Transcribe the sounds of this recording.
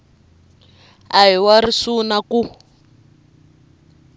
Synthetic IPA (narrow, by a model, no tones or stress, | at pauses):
aɦiwaɾisunaku